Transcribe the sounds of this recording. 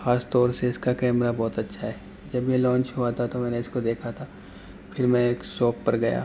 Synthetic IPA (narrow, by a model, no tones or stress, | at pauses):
xaːst̪ɔːɾseɪskakɛːmɾabɔːt̪ɐtːʃʰaɦɛː | d͡ʒɐbjelɔ̃ːnt͡ʃɦoat̪ʰat̪omɛ̃ːneɪskod̪eːkʰat̪ʰaː | pʰɪɾmɛ̃eːksɔːpːɐɾɡɐja̰ː